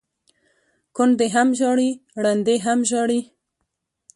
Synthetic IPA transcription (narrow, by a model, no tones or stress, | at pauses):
kʊnd̪eɦamʒɑɽiɽand̪eɦamʒɑɽi